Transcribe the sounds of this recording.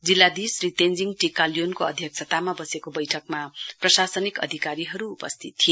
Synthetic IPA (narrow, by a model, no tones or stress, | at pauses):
d͡zilːad̪isriʈ̪end͡ziŋʈikaljonkoʌd̪ʱjʌk̚sʰʌt̪amabʌsekobʌjʈʰʌkmaprʌsasʌnikʌ̰d̪ʱikaɾiɦʌɾuːpʌst̪ʰit̪ːʰijo